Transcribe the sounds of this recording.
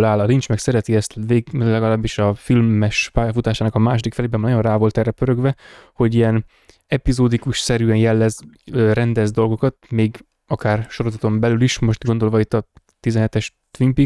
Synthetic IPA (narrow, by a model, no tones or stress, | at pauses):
laːlɒlint͡ʃmɛksɛɾɛt̪iɛst̪veːɡlɛɡɒlaːbːiʃɒfilːɛʃpaːjɒfut̪aːʃaːnɒkɒmaːʃod̪ikfɛleːbɛmnɒjo̞nraːvo̞lt̪ɛrːɛpøɾø̞ɡvɛho̞ɟijɛn | ɛpizoːd̪ikuʃsɛɾyːɛnjɛlːɛzøɾɛnd̪ɛzd̪o̞lɡo̞kɒt̪̚meːɡ | ɒkaːrʃo̞ɾozɒt̪o̞mbɛlyliʃmo̞ʃt̪ɡo̞nd̪o̞lvɒit̪ːɒ | t̪izɛnɦɛt̪ɛʃ | t̪ʋimpi